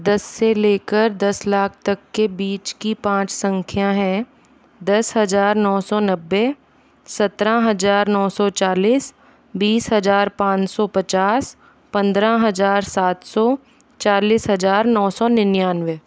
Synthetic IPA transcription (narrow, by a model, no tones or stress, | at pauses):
d̪ɐsːeleːkəɾd̪ɐslaːk̚ʰt̪ɐkːebiːt͡ʃkipãːt͡ʃsə̃ŋkʰjãɦɛ̃ | d̪ɐsɦɐzaːɾnɔːsɔnɐbːe | sɐt̪ɾãɦɐzaːɾnɔːsɔt͡ʃaːliːs | biːsɦɐzaːɾpãːt͡ʃsɔpɐt͡ʃaːs | pɐ̃nd̪ɾãɦɐzaːɾsaːt̪sɔ | t͡ʃaːliːsɦɐzaːɾnɔːsɔnɪnjaːnʋeː